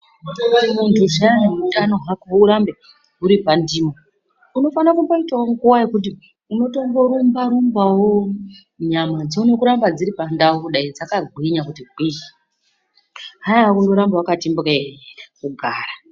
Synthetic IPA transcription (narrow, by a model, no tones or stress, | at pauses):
muntʰuʐaudanoɦakauɾambe̞ | ɦuɾipandiːmo | uno̞fanakumbaitaoŋkuwajekuti | uno̞to̞ŋɡoɾumbaɾumbawo | ɲamad͡zeune̞kuɾambad͡ziɾipandawokuɗaid͡zakaɡʱwiɲakutiɡʱwii | ɦajaɦakundo̞ɾambawakatimbukekuɡʱaːra